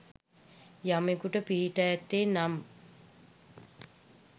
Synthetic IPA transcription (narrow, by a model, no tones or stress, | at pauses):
jamekuʈəpiɦiʈajɛt̪ːeːnam